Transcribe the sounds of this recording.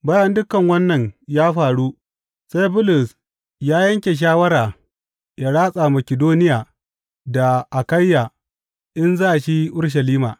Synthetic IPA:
ba˦jɐ˦ndʊ˦kɐ˨ŋwɐ˦nːɐ˨ɲjaː˦ɸaː˨ɽuː˦ | sa˦jbʊ˦lʊ˨s | jaː˦jɐ˦ŋkʲe˨ʃ̬aː˦wɐ˦ɾaː˨ | jaː˦ɽaː˦sʼa˨mɐ˨kʲɪ˨doː˦nɪ˦jaː˨ | da˨ʔa˨kɐ˦jːa˨ | ʔɪ˦nzaː˦˨ʃi˦ʔʊ˦ɽʃ̬ɐ˨liː˦maː˨

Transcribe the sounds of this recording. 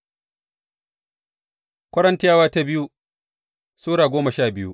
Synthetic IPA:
kʷɐ˦ɽɐ˦ntɪ˦jaː˦waː˦ta˦bɪ˦ju˦ | suː˦ɽaː˨ɡʷoː˦mɐ˨ʃaː˦˨bɪ˦jṵ˦ʔ

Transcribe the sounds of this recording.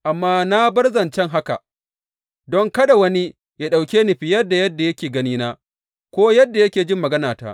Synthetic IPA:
ʔa˨mːaː˦na˦bɐ˦rzɐ˨nt͡ʃɛ˦ŋɦa˦ka̰˨ | dɔ˦ŋkɐ˦ɗa˨wɐ˦ni˦ | ja˨ɗa˨wkʲeː˦ni˨ɸɪ˨jɐ˦rdːa˨jɐ˦dːa˨jɐ˦kʲeː˨ɡɐ˦niː˦naː˦ | kʷoː˦jɐ˦dːa˨jɐ˦kʲeː˨d͡ʒɪ˦mːɐ˨ɡɐ˦naː˨ta̰ː˦ʔ

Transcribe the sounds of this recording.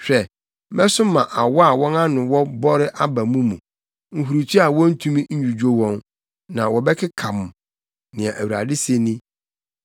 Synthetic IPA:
ɕᶣɛ˨ | mɛ̃˦sʊ˦mã˨ʔa˨wɔ˦a˨wɔ̃˦nã˦nʊ̃˨wɔ˦bɔ˦ɾɪ˦ʔa˦ba˨mũ˦mũ˨ | ŋ̩˨ɦu˨ɾu˨t͡ɕʰi˦a˨wɔ̃˦n̩˦tʰũ˦mĩ˦ɲ̩˦d͡ʑu˨d͡ʑᶣo˦wɔ̃˦n | nã˨wɔ˨bɛ˦kʰɪ˦kʰã˨m˨ | nɪ̃˨a˨ʔæ˨wu˨ɾa̰˨dɪ˦se˦nĩ˦

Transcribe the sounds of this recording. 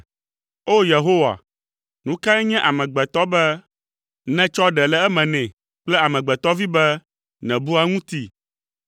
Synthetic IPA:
o˦je˨ɦo˦wa̰˨ | nũ˦kã˦ɛ˦ɲɛ̃˦ʔa˨mɛ̃˨ɡ͡bɛ˨t̪ɔ˦bɛ˦ | nɛ̃˦t͡ʃɔ˦ɖɛ˨lɛ˦ɛ˦mɛ̃˨nɛ̃˨ | k͡plɛ˦a˨mɛ̃˨ɡ͡bɛ˨t̪ɔ˦vi˦bɛ˦ | nɛ̃˨bu˦a˦ŋũ˦t̪i˦

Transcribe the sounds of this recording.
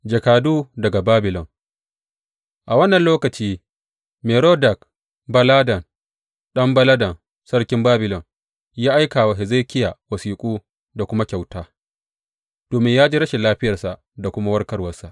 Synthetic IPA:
d͡ʒɐ˨kaː˨duː˦dɐ˨ɡa˨baː˦bɪ˨lɔ˨ŋ | ʔa˨wɐ˦nːɐ˨nloː˦kɐ˨t͡ʃiː˦ | meː˨ɾoː˦dɐ˨k | bɐ˦laː˦dɐ˨n | ɗɐ˦mbɐ˦lɐ˦dɐ˨n | sɐ˦ɽkʲɪ˦mbaː˦bɪ˨lɔ˨n | jaː˦ʔa˦jkaː˨wa˨ɦɪ˨ze˦kʲɪ˦jaː˨wɐ˨siː˨kʷʼuː˦ | da˨kʷʊ˦ma˦kʲa˨wtaː˦ | d̥oː˨mɪ˦ɲjaː˦d͡ʒe˦ɾɐ˦ʃe˨laː˦ɸɪ˦jɐ˨rsa˨ʔ | da˨kʷʊ˦ma˦wɐ˦rkɐ˦rwɐ˦rsa˨ʔ

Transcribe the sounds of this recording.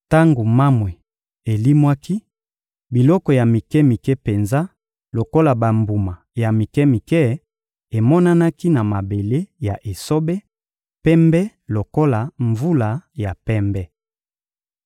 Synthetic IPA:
ta˦ŋɡo˨ma˦mwe˨ | e˨li˦mwa˦ki˦ | bi˨lɔ˦kɔ˨ja˨mi˨kɛ˦mi˨kɛ˦pe˨nza˦ | lo˨ko˦la˨ba˨mbu˨ma˨ja˨mi˨kɛ˦mi˨kɛ˦ | e˨mɔ˦na˦na˦ki˦na˨ma˨be˨le˦ja˨ʔe˨so˦bɛ˦ | pɛ˦mbɛ˦ | lo˨ko˦la˨ɱvu˦la˨ja˨pɛ˦mbɛ˦

